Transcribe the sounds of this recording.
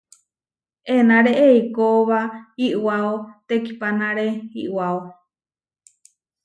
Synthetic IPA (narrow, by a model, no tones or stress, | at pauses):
enaɾeʔeikoβahiʔwaot̪eki̥panãɾehḭʔwao